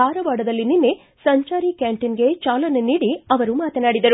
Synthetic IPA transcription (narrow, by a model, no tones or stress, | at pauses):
aːɾɐʋaːɽɐd̪ɐlːininːe | sɐɲt͡ʃaːɾikaːɳʈinɡe̞t͡ʃaːlɐnːeniːɽiɐʋɐɾumaːt̪ɐnaːɽid̪ɐɾu